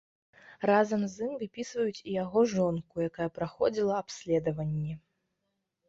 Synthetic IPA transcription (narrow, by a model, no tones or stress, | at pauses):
razɐmzimvɨpʲisvɐjut͡sʲijaɣɔʐɔnkujakajɐpɾaxɔd͡zʲilˠɐapsʲlʲɛd̪ɐvɐnʲːɛ